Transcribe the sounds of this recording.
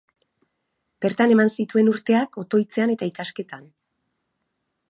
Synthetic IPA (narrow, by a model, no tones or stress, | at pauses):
b̥e̞ɾt̪ane̞mansit̪ue̞nuɾt̪e̞ako̞t̪o̞jt͡se̞ane̞t̪aikaske̞t̪an